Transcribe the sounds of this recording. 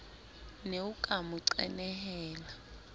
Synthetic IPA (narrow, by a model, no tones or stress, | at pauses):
neukʼamuǀɛnɛhɛːla